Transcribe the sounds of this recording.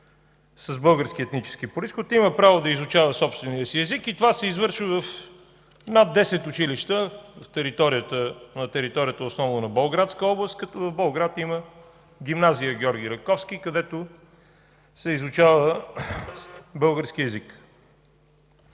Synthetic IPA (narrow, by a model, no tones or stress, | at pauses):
səzbɤlˠɡəɾskiɛt̪nit͡ʃɛ̥skipʊɾisxot̪iməpɾavod̪ɐizʊt͡ʃavəsɔpst̪vɛnijəsiɛzikit̪ovasɛizvɤɾʃivəf | nad̪̚d̪ːɛsɛt̪ʊt͡ʃiliʃt̪əvft̪ɛɾit̪ɔɾiət̪ənɐt̪ɛɾit̪ɔɾʲijət̪əosnɔvnʊnɐbolˠɡɾat̪skəɔblˠəst̪̚kɐt̪vɐvbolˠɡɾat̪imə | ɡʲimnazijəɡʲɔɾɡʲiɾɐkɔfsk̟ikɐd̪ɛt̪ʊ | sɛizʊt͡ʃavə | bɤlˠɡəɾsk̟iɛzik